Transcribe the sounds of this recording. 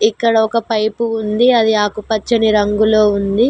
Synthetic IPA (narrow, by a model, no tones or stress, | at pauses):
ikːɐɽɐɔkɐpɐjpuund̪iɐd̪iaːkupɐt͡ʃːɐniɾɐŋɡulo̞ːund̪i